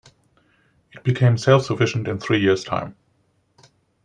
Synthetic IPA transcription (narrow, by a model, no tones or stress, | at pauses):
ɨt̚b̥ɨkʰẽɪ̃msɛɪlˠfsəfɪʃn̩tɨ̃nθɹijɪɹz̥tʰã̰ɪ̃m